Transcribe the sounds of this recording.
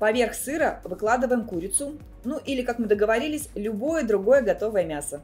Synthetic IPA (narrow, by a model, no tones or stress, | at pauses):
pɐvʲe̞rxsɨɾəvɨklˠad̪ɨvəjɪmkuɾʲɪt̪sʊ | nuʔilʲɪkakmɨd̪əɡəvɐɾʲilʲɪsʲlʲʊbo̞jəd̪ɾʊɡo̞jəɡɐt̪o̞vəjəmʲasə